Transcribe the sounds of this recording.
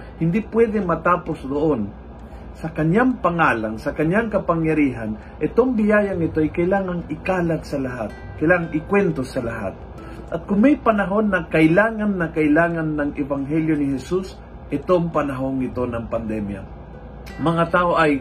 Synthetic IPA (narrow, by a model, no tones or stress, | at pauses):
hɪnd̪ipwɛd̪ɛmɐt̪aːposd̪oʔon | sɐkɐɲjaŋpɐŋaːlaŋsɐkɐɲjaŋkɐpaŋjɐɾiːɦan | ʔɛt̪oŋbɪjaːjaŋɪt̪oʔajkɐɪlaːŋaŋɪkaːlaɡ̪sɐlaɦat̪̚kɐjlaːŋaŋɪkwɛnt̪osɐlaɦa̰t̪̚ | ʔɐt̪̚kʊŋmɛjpɐnɐɦo̞nːɐkɐʔɪlaːŋanːɐkɐʔɪlaːŋanːɐŋʔɛvaŋɦɛljonɪɦɛsus | ʔɛt̪oŋpɐnɐɦoŋːɪt̪o̞nɐŋpɐnd̪ɛmja̰ | mɐŋat̪aːʔoʔɐj